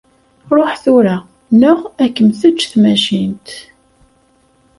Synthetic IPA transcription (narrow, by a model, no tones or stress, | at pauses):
ɾˤoħθuɾæ | nʊʁækːənθət͡ʃːθmæʃint̪